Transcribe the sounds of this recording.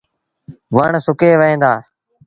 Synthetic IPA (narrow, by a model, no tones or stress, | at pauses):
ʋəɳsʊkeːʋəẽːnd̪aː